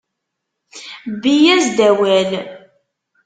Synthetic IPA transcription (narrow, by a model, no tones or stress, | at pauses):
bijæzd̪æwæl